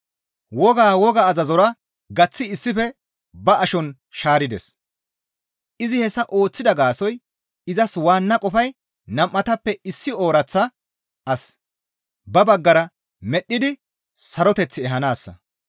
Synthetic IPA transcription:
wɔɡaːwɔɡɐːzɐzɔɾɐ | ɡɐt͡sːɪɪsːɪfɛ | bɐɐʃɔn | ʃaːɾɪd̪ɛ̰s | ʔɪzɪhɛsːɐʔo̞ːt͡sːɪd̪ɐɡaːsɔj | ɪzɐswaːnːɐkʼɔfɐj | nɐmʔːɐt̪ɐpːɛɪsːɪoːɾɐt͡sːɐ | ʔɐs | bɐbɐɡːɐɾɐ | mɛɗːɪd̪ɪ | sɐɾɔt̪ɛt͡sːɪɛɦɐnaːsːɐ̰

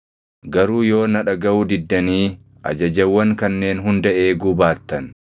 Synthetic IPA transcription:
ɡɐɾuːjo̞ːnɐᶑɐɡɐwud̪ɪd̪ːɐniː | ʔɐ̰d͡ʒɐd͡ʒɐwːɐŋkɐnːe̞ːnɦʊnd̪ɐʔe̞ːɡʊbaːt̪ːɐn

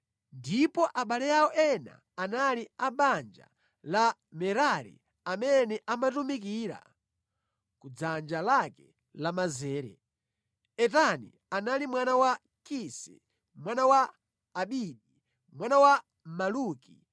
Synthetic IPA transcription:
ndipɔʔaɓalɛjaɔʔɛna̰ | analiaɓand͡ʒa̰ | la | mɛɾaɾḭ | amɛnɛʔamatumik̬iːɾa̰ | kud͡zand͡ʒalakɛ | lamazɛːɾɛ̰ | ɛtanḭ | analimwanawa | kisɛ̰ | mwanawaː | ɓiɗi | mwanawa | maluːki

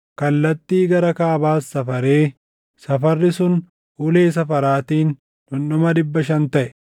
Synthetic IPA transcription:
kɐlːɐt̪ːiːɡɐɾɐkaːbaːsːɐfɐɾeː | sɐfɐrːɪsʊn | ʊle̞ːs̬ɐfɐɾaːt̪iːn | ᶑʊnːɔmɐɗɪbːɐʃɐnt̪ɐʔɛ̥

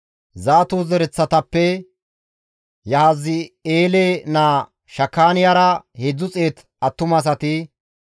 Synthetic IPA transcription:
zaːt̪uzɛɾɛt͡sːɐt̪ɐpːɛ | jɐhazɪeːleːnaː | ʃɐkːaːnɪjaɾɐhed͡zːʊt͡sʼe̞ːt̪ | ɐt̪ːʊmɐs̬ɐt̪ɪ

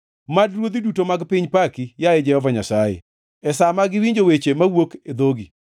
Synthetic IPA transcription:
madɾwod̪idutomaɡpɪɲpakijaed͡ʒɛhɔvaɲasajḛ | ɛsamaɡɪwiɲd͡ʒowet͡ʃemawoked̪oɡi

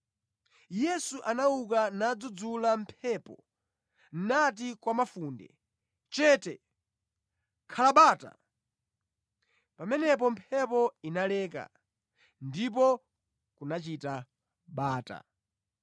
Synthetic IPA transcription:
jɛsuʔanauk̬anad͡zud͡zulampʰɛpɔ | n̩nat̬ikwamafuːndɛ̰ | t͡ʃɛːtɛ | kʰalaɓaːta̰ | pamɛnɛp̬ɔmpʰɛpɔinalɛːka̰ | ndip̬ɔ | kunat͡ʃita | ɓaːta̰

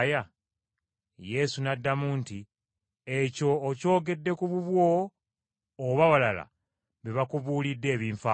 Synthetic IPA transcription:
ja | je̞sunadːamuːnti | e̞co̞ːco̞ːɡe̞dːe̞kuβuβwo̞ | βaβalala̰ | βiβakuβuːlidːe̞ːβiːɱfa

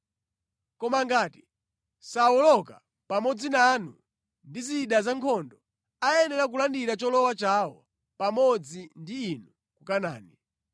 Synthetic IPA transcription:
kɔmaŋɡaːti̥ | sawɔlɔka̰ | pamɔd͡zinanṵ | ndiziɗazaŋkʰɔndɔ | ajɛnɛɾak̬ulandiɾat͡ʃɔlɔwat͡ʃawɔ | pamɔd͡zindiːnu | kukana̰ːni

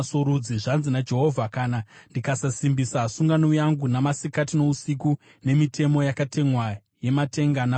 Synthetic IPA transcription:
soɾud͡ziʐanzinad͡ʒe̞ɦo̞vʱakaːnandikasasimbisasuŋɡanojaŋɡunamasikatino̞usik̬u | ne̞mitʰe̞mo̞jakatʰe̞ŋwa | je̞matʰe̞ŋɡana

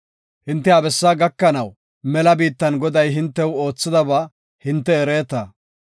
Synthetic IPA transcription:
hɪnt̪ːɛɐbɛsːaːɡɐkːɐnɐw | mɛlɐbiːt̪ːɐnɡɔd̪ɐjɦɪnt̪ːɛwo̞ːt͡sːɪd̪ɐba | hɪnt̪ːɛːɾeːt̪ɐ

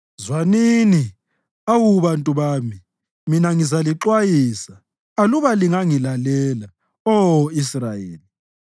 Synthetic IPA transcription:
zwanini | awuβantʼuβaːmi | minaŋizaliǁwajiːsaː | luβaliŋaŋilalɛla | ɔisrajḛːli

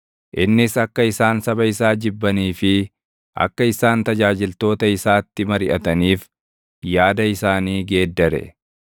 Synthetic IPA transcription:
ʔɪnːɪsɐkːɐɪsaːnsɐbɐɪsaːd͡ʒɪbːɐniːfɪ | ʔɐ̰kːɐɪsaːnt̪ɐd͡ʒaːd͡ʒɪlt̪o̞ːt̪ɐɪsaːt̪ːɪmɐɾɪʔɐt̪ɐniːf | jaːd̪ɐɪsaːniːɡe̞ːd̪ːɐɾɛ̰

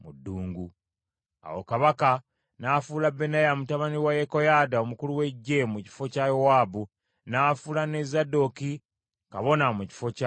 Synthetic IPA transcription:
mudːuːŋɡu | a̰wo̰kaβaka | nafuːlabːenajamutaβaniwajeko̞jadao̞mukuluwe̞ɟːe̞muci̥fo̞cajo̞waːbu | naːfulane̞zado̞ki | kaβo̞namuci̥fo̞ca

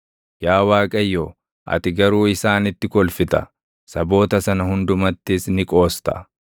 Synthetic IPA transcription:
jaːwaːkʼɐjːo | ʔɐ̰t̪ɪɡɐɾuːɪsaːnɪt̪ːɪkɔlfɪt̪ɐ̰ | sɐbo̞ːt̪ɐsɐnɐhʊnd̪ʊmɐt̪ːɪsnɪkʼo̞ːst̪ɐ̰

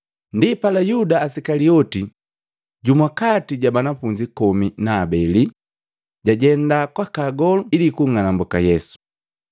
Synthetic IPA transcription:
ndipalajudaːsikaliɔti | ɟumwakatiɟabanafuɲd͡ʒikɔminaːbɛli | ɟaɟɛndakwakaɡɔluilikuŋanambɔkajɛsu̥

